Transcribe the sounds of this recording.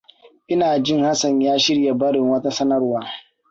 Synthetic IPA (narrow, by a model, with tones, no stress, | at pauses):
ʔɪ˦naː˨d͡ʒɪ˦˨ŋha˦sɐ˨ɲjaː˦ʃɪ˦ɽja˨bɐ˦ɽɪ˨ŋwɐ˦ta˦sɐ˦nɐ˦rwaː˨